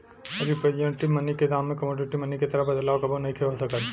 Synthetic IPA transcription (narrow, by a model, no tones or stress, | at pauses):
ɐbʱiped͡ʒə̃ɳʈimɐniked̪aːmːẽkɐmoːɖɪʈimɐniket̪ɐɾəbɐd̪əlaːokɐbʱonɐɦĩkʰeɦosɐkət̪